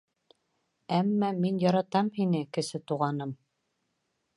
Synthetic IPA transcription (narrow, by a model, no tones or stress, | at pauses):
æmːæminjɑɾɑt̪ɑmhinɘkɘ̆sɘt̪uʁɑnɤm